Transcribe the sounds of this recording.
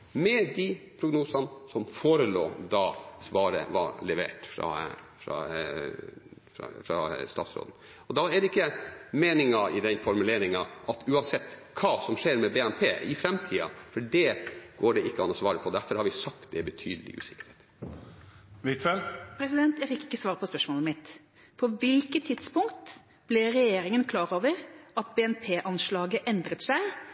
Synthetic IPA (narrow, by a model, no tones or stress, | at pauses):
mɛd̪ɪpʰɾʊɡnuːsɑnsɔmfoːɾəlo̰ːd̪ɑsʋɑːɾə̰ʋɑ̰lɛʋḛːʈfɾɑ̰ | fɾɑ̰ | fɾɑ̰st̪ɑːt̪sɾo̰ːd̪n̩ | ɔd̪ɑæɖɛɪkːəmeːnɪŋɑɪd̪ɛnfɔɾmʉleːɾɪŋɑʔɑt̪ʉːɑnsɛt̪ːkʰɑːsɔmʂeːɾmɛbeːæmpʰeːʔɪfɾɛmt̪ʰiːɑ̰fɔɖɛɡ̥oːɖɛɪkːəɑnɔsʋɑːɾəpʰɔd̪æɾfɔɾhɑɾʋɪsɑk̚t̪̚d̪ɛbət̪ʰy̰ːd̪əlɪ̰ʔʉ̰ːsɪ̥kːəɾheːt̪ | ʋit̪fɛlt̪pʰɾɛsɪd̪ɛnt̪jæɪfɪkːɪ̥kːəsʋɑːɾəpʰɔspœʂmoːləmɪt̪ | pʰɔʋɪlkət̪ʰːɪd̪spʊŋkt̪ | b̥lɪɾɛjeːɾɪŋənkʰlɑːɾoːʋəɾʔɑt̪beːɛnpʰeːʔɑnʂlɑːɡəʔɛnd̪ɾət̪sæɪ